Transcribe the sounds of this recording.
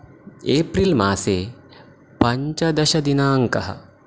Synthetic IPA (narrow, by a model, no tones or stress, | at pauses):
eːpɾiːlma̰ːseː | pɐɲt͡ʃɐd̪ɐɕɐd̪inaːŋkɐ̰ɦɐ̰